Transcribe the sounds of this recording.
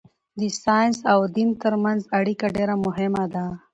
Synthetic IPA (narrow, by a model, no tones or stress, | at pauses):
d̪isɑjnsawd̪int̪əɾmanzaɽikaɖeɾamʊɦɪmad̪a